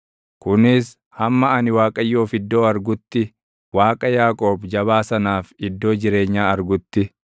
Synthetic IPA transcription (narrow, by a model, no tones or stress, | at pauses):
kʊnɪs | hɐmːɐɐnɪwaːkʼɐjːo̞ːfɪd̪ːo̞ːɐɾɡʊt̪ːɪ | waːkʼɐjaːkʼo̞ːbd͡ʒɐβaːsɐnaːfɪd̪ːo̞ːd͡ʒɪɾe̞ːɲːaːɐɾɡʊt̪ːɪ